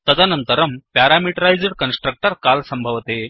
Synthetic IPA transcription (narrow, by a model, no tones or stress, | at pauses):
t̪əd͡z̪anənt̪əɾəmpaɾamiʈəɾajd͡zəɽkənsʈɾək̚ʈəɾkalsəmbʱəʋt̪e